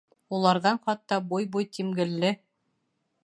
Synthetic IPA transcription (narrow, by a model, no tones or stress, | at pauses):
ulˠɑɾðɑɴχɑt̪ːɑbujbujt̪imɡɘ̆lːɘ